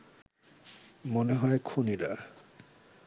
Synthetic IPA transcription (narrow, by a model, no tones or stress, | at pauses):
moneɦɔekʰoniɾa